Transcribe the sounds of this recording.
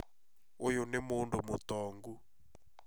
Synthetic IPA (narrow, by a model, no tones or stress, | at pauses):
ojonemondomot̪ɔŋɡu